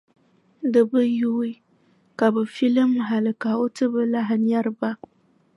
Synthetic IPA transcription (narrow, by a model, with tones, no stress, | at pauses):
dɨ˨bɨ˦ju˦i˦ | ka˨bɨ˨fi˦lɨ˦mɦa˨lɨ˨ka˨o˦tɨ˦bɨ˦la˦ɦɨ˦n˦a˦ɾɨ˦ba˦